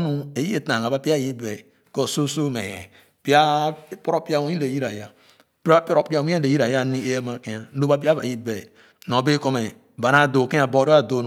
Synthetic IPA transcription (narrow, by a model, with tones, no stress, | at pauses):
nu˦e˨ji˦e˨ta˨a˨ba˦pi˦a˦˨ji˦be˨ | ko˦˨so˦so˦˨mḛ˨ḛ˨ | pi˦a˦po˦ɾo˦pi˦a˦wu˦i˦le˨ji˦ɾa˨ja˦ | ppɾo˦pi˦a˦wu˦e˦le˨ji˦ɾa˨ja˦ni˦e˦je˦ma˨ke˦ja˨˦lo˦ba˦pi˦a˦ba̰˨i˦be˨ | no˨be˦ko˦me˨ | ba˨na˦˨do˨ke˦a˨bo˦˨˦ɾo˦a˦˨do˨˦n˨